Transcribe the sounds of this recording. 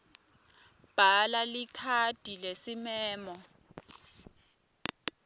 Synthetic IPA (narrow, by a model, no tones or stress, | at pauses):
b̥ʱalalikʰad̥ʱilesimɛːmɔ